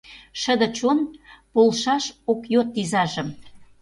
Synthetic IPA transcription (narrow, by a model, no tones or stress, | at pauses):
ʃə̆d̪ə̆t͡ɕonpolʃɑʃokjot̪̚ːizɑʒə̆m